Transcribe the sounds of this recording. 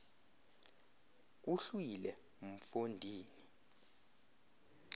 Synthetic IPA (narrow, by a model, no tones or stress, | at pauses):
k̬uɬuilɛ | m̩fondʱiːni